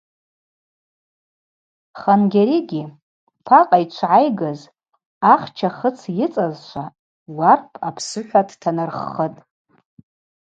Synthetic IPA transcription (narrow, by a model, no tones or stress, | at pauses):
χanɡʲaɾiɡʲi | pʰaqʼajt͡ʃʷʰʕajɡaz | aχt͡ʃʰaχət͡sʰjɪt͡sʼazʃʷʰa | warpʰapʰsɨħʷᶣadtʰanɨrχətʼ